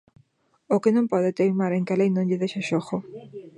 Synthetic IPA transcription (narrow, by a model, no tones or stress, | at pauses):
okɪnõmpɔðɪt̪ejmaɾẽŋkalejnõɲʎɪðeʃaʃoxo